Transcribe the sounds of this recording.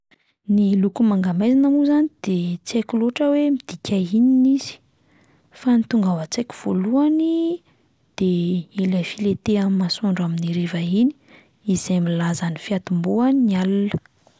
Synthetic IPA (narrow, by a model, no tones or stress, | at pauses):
nilukumaŋɡamajzanamuzanid̪̥et͡sekʲuloʈ͡ʂəwemid̪̥ikʰʲaininiz̥i̥ | fanit̪uŋɡavət͡sekʲu̥v̥oluani | d̪̥eelafilet̪eamːasoɳɖ͡ʐaminiɾevaini̥ | izemilazanifiat̪umbuannialunə̥